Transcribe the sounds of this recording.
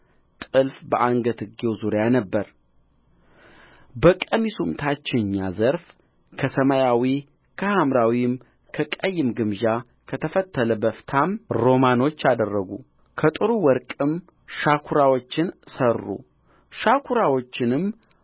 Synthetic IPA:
t̪ʼɨlfbəʔaŋɡət̪ʰɨɡewzuɾjanəbːəɾ | bəkʼəmisumt̪ʰat͡ʃːɪɲːazəɾf | kʰəsəmajawi | kʰəhamɾawim | kʰəkʼəjːɪmɡɨmʒa | kʰət̪ʰəfət̪ːələbəft̪ʰamɾo̞mano̞t͡ʃːad̪ərːəɡṵ | kʰət̪ʼɨɾuwɔɾkʼɨm | ʃakʰuɾawot͡ʃːɪnsərːṵ | ʃakʰuɾawo̞t͡ʃːɪnɨm

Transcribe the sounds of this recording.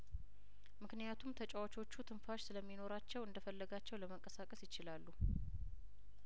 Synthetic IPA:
mɨknijat̪ʰumt̪ʰət͡ʃʼɛwat͡ʃo̞t͡ʃːut̪ʰɨnfaʃsɨləmːino̞ɾat͡ʃːɛwɨnd̪əfəlːəɡat͡ʃːɛwləməŋkʼəsakʼəsjɪt͡ʃɪlalːu

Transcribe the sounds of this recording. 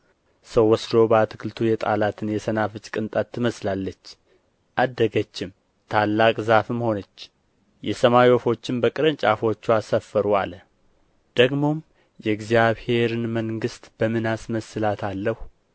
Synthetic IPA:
səwːɔsd̪o̞bəat̪ʰɨkʰɨlt̪ʰujɛt̪ʼa̰lat̪ʰɨnjɛsənafɨt͡ʃʼkʼɨnt̪ʼat̪ʰːɨməslalːət͡ʃː | ʔad̪ːəɡət͡ʃːɪm | t̪ʰalːakʼzafɨmho̞nət͡ʃː | jɛsəmajofo̞t͡ʃːɪmbəkʼɨɾɨnt͡ʃʼafo̞t͡ʃːuasəfːəɾua̰lə | d̪̥əɡmo̞m | jɛɡzijaβhe̞ɾɨnməŋɡɨst̪b̥əmɨnasməsɨlat̪ʰalːəhu

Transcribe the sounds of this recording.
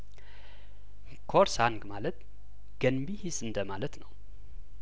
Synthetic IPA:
kʰoɾsaŋɡmalət̪ | ɡ̥ənbihisɨnd̪əmalət̪nəw

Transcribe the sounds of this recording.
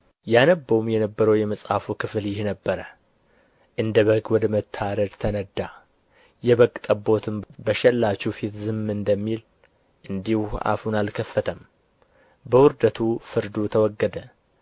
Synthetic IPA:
janəbːəwumjɛnəbːəɾəwjɛməsʼafukʰɨfljɪhnəbːəɾə | ʔɨnd̪əβəɡwɔd̪əmət̪ʰːaɾəd̪t̪ʰənəd̪ːa | jɛβəkʼt̪ʼəbo̞t̪ʰɨmbəʃɛlːat͡ʃːɛfit̪zɨmːɨnd̪əmːil | ʔɨnd̪ihuʔa̰funalkʰəfːət̪ʰəm | bəwʊɾd̪ət̪ʰufɨɾd̪ut̪ʰəwɔɡːəd̪ə

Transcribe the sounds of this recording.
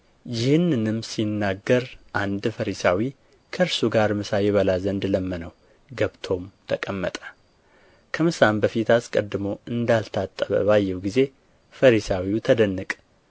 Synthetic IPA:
jɪhɨnːɨnɨmsinːaɡːəɾʔand̪fəɾisawi | kʰəɨɾsuɡaɾmɨsajɛβəlazənd̪ləmːənəw | ɡəβt̪ʰo̞mt̪ʰəkʼəmːət̪ʼə̥ | kʰəmɨsambəfit̪askʼəd̪ːɨmo̞ɨnd̪alt̪ʰat̪ʼːəβə̰βajːɛwɡize̞ | fəɾisawiut̪ʰəd̪ənːɨkʼ

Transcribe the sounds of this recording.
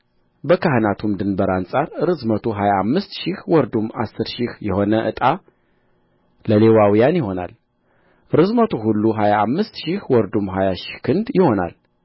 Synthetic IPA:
bəkʰahɨnat̪ʰumd̪ɨnbəɾansʼaɾɾɨzmət̪ʰuɦajaːmːɨst̪ʃɪhwɔɾd̪umːa̰sːɨɾʃihjɛho̞nəʔɨt̪ʼa | ləlewawijanjɪho̞na̰l | ɾɨzmət̪ʰuɦulːuɦajaːmːɨst̪ʃɪhwɔɾd̪umɦajaʃɪ̥hkʰɨnd̪jɪho̞na̰l

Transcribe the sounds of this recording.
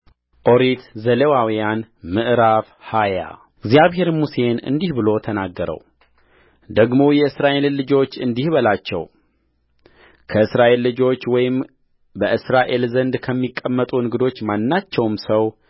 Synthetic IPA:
ʔo̞ɾit̪zəlewawijanmɨʔɾaf | haja̰ | ɨɡzijaβhe̞ɾmuse̞nɨ̰nd̪ihbɨlo̞t̪ʰənaɡːəɾə̰w | d̪əɡmo̞jɛɨsɾaʔe̞llɨd͡ʒo̞t͡ʃːɨnd̪ihbəlat͡ʃːɛ̰w | kʰəɨsɾaʔe̞lːɨd͡ʒo̞t͡ʃːwɔjɪm | bəʔɨsɾaʔe̞lzənd̪kʰəmːikʼːəmːət̪ʼunŋɨɡɨd̪o̞t͡ʃːmanːat͡ʃːɛwmsəw

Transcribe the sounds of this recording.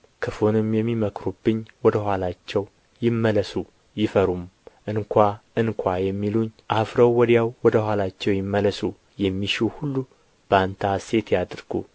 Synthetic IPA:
kʰɨfonɨmjɛmːiməkʰɾubːɨɲːwɔd̪əhʷwʷalat͡ʃːɛw | jɪmːələsu | jɪfəɾumʔɨŋkʰʷaɨnkʷʰajɛmːiluɲʔafɾəwːɔd̪jawːɔd̪əhʷwalat͡ʃːɛwjɪmːələsu | jɛmːiʃuwhulːu | b̥ant̪ʰase̞t̪jad̪ɾɡ̥ṵ

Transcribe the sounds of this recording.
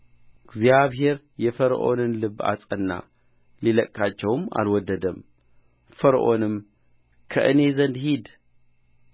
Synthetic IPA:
ɨɡzjaβɦe̞ɾ | jɛfəɾ̰ʔo̞nɨnlɨβa̰sʼənːa̰ | liləkʼːat͡ʃːɛwma̰lwɔd̪ːəd̪əm | fəɾʔo̞nɨm | kʰə̰ʔɨne̞zənd̪hid̪

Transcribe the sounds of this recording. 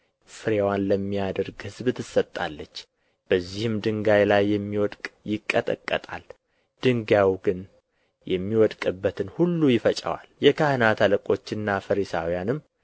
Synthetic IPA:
fɨɾewanləmːijad̪əɾɡhɨzbɨt̪ʰɨsət̪ʼːa̰lːət͡ʃː | b̥əzːihɨmd̪ɨŋɡajlajːɛmːiwɔd̪kʼjɪkʼːət̪ʼə̰kʼːə̰t̪ʼa̰l | d̪̥ɨŋɡawɡɨn | jɛmːiwɔd̪kʼɨbːət̪ʰɨnhulːujɪfət͡ʃʼə̰wa̰ljɛkʰahɨnat̪ʰaləkʼo̞t͡ʃːɨnːafəɾisa̰wijanɨmː

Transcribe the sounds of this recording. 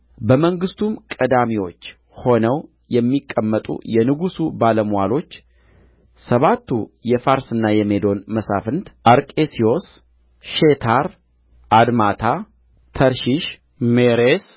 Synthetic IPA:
bəməŋɡɨst̪ʰumkʼəd̪amiwo̞t͡ʃː | ho̞nəw | jɛmːikʼːəmːət̪ʼṵjɛnɨɡusubaləmwalo̞t͡ʃː | səβat̪ʰːujɛfaɾsɨnːajɛmed̪o̞nməsa̰fɨnt̪ʔaɾkʼesio̞s | ʃet̪ʰaɾ | ʔad̪mat̪ʰa | t̪ʰəɾʃiʃ | meɾes

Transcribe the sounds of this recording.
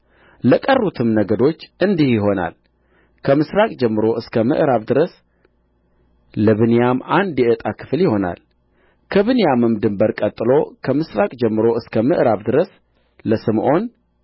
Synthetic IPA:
ləkʼərːut̪ʰɨmnəɡəd̪o̞t͡ʃːʔɨnd̪ihjɪɦo̞na̰l | kʰəmɨsɾakʼd͡ʒɛmːɨɾo̞ʔɨskʰəmɨ̰ʔɾaβd̪ɨɾəs | ləβɨnjamand̪jɛʔət̪ʼakʰɨ̥fljɪho̞na̰l | kʰəβɨnjamɨmd̪ɨmbəɾkʼət̪ʼːɨlo̞kʰəmɨsɾakʼd͡ʒɛmːɨɾo̞ɨskʰəmɨ̰ʔɾaβd̪ɨɾəs | ləsɨmʔo̞n

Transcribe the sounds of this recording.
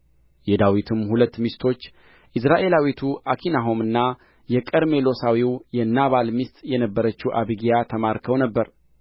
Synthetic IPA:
jɛd̪awit̪ʰɨmhulət̪ːmist̪ʰo̞t͡ʃː | ʔɨsɾaʔe̞lawit̪ʰuʔakʰinaɦo̞mɨnːa | jɛkʼəɾmelo̞sawiwjɛnːaβalmist̪ʼjɛnəbːəɾət͡ʃːuwʔaβɨɡijat̪ʰəmaɾkʰəwnəbːəɾ

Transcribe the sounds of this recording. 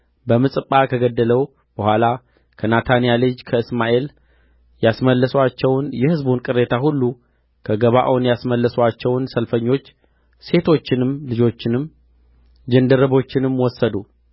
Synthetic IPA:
bəmɨsʼɨpʼːakʰəɡəd̪ːələw | b̥əhʷala | kʰənat̪ʰanijalɨd͡ʒkʰəɨsmaʔe̞l | jasməlːəswat͡ʃːɛwnjɛhɨzbunkʼɨrːe̞t̪ʰahulːu | kʰəɡəβaʔonjasməlːəswat͡ʃːɛwnsəlfəɲːo̞t͡ʃː | se̞t̪ʰo̞t͡ʃːɪnɨmlɨd͡ʒo̞t͡ʃːɪnɨm | d͡ʒənd̪əɾəβo̞t͡ʃːɪnɨmwɔsːəd̪u

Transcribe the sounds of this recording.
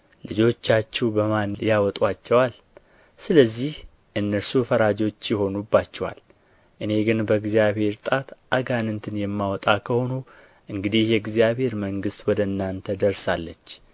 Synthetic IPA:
lɨd͡ʒo̞t͡ʃːat͡ʃːɛwbəmanjawɔt̪ʼwat͡ʃːɛwal | sɨləzːih | ʔɨnːəɾsufəɾad͡ʒo̞t͡ʃːjɪho̞nubːat͡ʃːɛwa̰l | ʔɨne̞ɡɨnbəɡzijaβhe̞ɾt̪ʼat̪ʔaɡanɨnt̪ʰɨnjɛmːawɔt̪ʼakʰəho̞nu | ʔɨŋɡɨd̪ihjɛɡzijaβhe̞ɾməŋɡɨst̪wɔd̪əɨnːant̪ʰəd̪əɾsalːət͡ʃː

